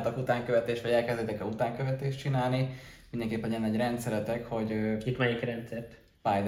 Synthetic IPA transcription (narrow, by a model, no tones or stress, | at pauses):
t̪ɒkut̪aːŋkøvɛt̪eːʃt̪ʋɒɟɛlkɛzd̪eːt̪ɛkɛut̪aːŋkøvɛt̪eːʃt͡ʃinaːlnimind̪ɛŋkeːpːɛnjɛnːɛɟrɛnt̪sɛlɛt̪ɛkho̞ɟøit̪mɛjikrɛnt̪sɛrt̪ | pajd̪